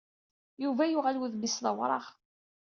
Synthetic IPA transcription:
juvæjʊʁælwəðmisləwɾˤɑ̰ʁ

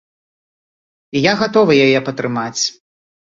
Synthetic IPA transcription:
ijaɣat̪ɔvɨjajɛpɐt̪ɾɨmat͡sʲ

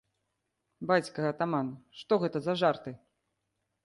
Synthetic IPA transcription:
bat͡sʲkɐɐt̪amanʂt̪ɔɣɛt̪ɐzɐʐart̪ɨ

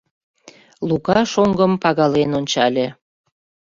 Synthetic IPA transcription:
lukɑʃoŋɡəmpɑɣɑlenonʲt͡ɕɑlʲe

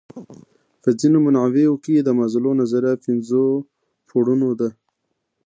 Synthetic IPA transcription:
pəzinomanʕaweokid̪əmazlonazaɾapɪnzo | pʰoɽunod̪a

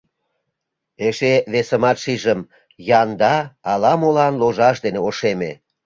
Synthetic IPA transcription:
eʃeβesəmɑt̪ʃiʒəm | jɑnd̪ɑɑlɑmolɑnloʒɑʃ̬d̪eneoʃeme

